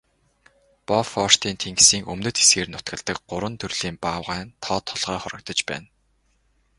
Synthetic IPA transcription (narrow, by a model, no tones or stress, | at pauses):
pɔfɔr̥t̪iːnt̪ʰeŋɡsiːŋɵ̰mnɵ̆t̪xe̥sɡeːrnʊt̪ɡə̆ɮt̪ə̆k̚ɢʊɾwə̆nt̪ʰɵrɮ̥iːmpaːwʁæːnt̪ʰɔːt̪ʰːɔɮʁœːχɔɾɞ̆k̚t̪ɞ̆t͡ɕpæ̰ːn